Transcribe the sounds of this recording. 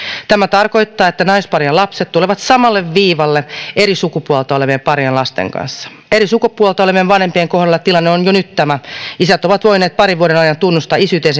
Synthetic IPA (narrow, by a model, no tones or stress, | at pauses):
t̪æmæt̪ɑrko̞it̪ːɑːet̪ːænɑispɑrjɑlɑpset̪t̪uleʋɑt̪sɑmɑlːeʋːiːʋɑlːeeɾisukupuolt̪ɑoleʋiepɑrjɑnlɑst̪ḛŋkɑ̰nsːɑ̥ | eɾisukupːuolt̪ɑoleʋieʋʋɑnhempieŋkohɾɑlːɑt̪ilɑnːeonjonyt̪t̪æmæisæt̪oʋɑt̪ʋoineːt̪̚pɑɾiʋuoɾenɑjɑnt̪unːust̪ɑisyt̪ens